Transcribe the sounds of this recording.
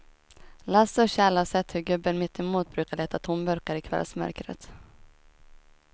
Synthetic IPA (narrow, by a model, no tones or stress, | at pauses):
lasɔɕɛːlasɛt̪ːhɵɾɡɵbːənmɪt̪ʰːɛmuːt̪̚bɾʉ̟ːkaɭeːt̪at̪ʰʊmbœɾkaɾɪkʰvɛ̰lsmœ̰ɾkɾə̰t̪